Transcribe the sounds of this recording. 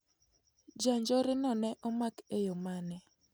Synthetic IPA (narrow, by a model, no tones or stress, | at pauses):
d͡ʒaɲd͡ʒɔɾɪnɔnɛʔɔmakejomanɛ